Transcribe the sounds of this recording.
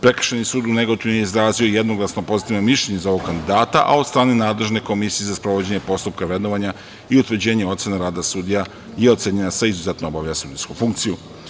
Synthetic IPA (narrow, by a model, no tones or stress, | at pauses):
pɾe̞kr̩ʃenisuːd̪une̞ɡot̪inojeizɾaːzio̞jed̪no̞ɡlˠasno̞po̞zit̪iʋnomiʃlʲʎe̞ɲezao̞ʋoɡkand̪id̪aːt̪a̰ʔa̰od̪st̪ɾaːne̞naːd̪le̞ʒne̞ko̞misijezaspɾoʋo̞d͡ʑe̞ɲe̞po̞st̪up̚kaʋe̞d̪noʋaɲa | iut̪ʋɾd͡ʑe̞ːɲeot̪se̞neɾaːd̪asud̪ija | je̞o̞t̪seɲenaseizuzet̪noobaʋjasud̪iskufuŋkt̪siju